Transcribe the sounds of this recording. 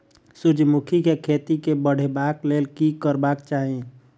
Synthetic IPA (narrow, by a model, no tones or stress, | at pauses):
sʊd͡ʒmukʰikekʰeːt̪ikebəɽ̤ebaːkleːlkikəɾbaːkt͡ʃaːɦẽ